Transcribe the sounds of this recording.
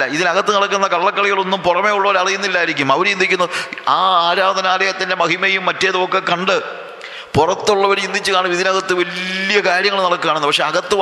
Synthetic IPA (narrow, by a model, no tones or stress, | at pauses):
ɐiðinɐɣɐt̪ːɨnɐɽɐkːunːɐkɐɭːɐkːɐɭiɣɐɭo̞nːumpurɐme̞ːjuɭːɐʋɐɾɐrijunːilːaːjiɾikʲːumɐʋɐɾt͡ɕind̪ikʲːunːɐɨaːaːɾaːd̪ɐnaːleɐt̪ːɐnde̞mɐhimɐjumːɐtːeːðoːkːekɐɳɖɨ | purɐt̪ːuɭːɐʋɐɾind̪ʱit͡ɕːɨkaːɳɨmiðinɐɣɐt̪ːɨʋɐlijɐkaːɾjɐŋːɐɭnːɐɽɐkːɨaːɳunːɨpɐkʂe̞ːɐɣɐt̪ːɨ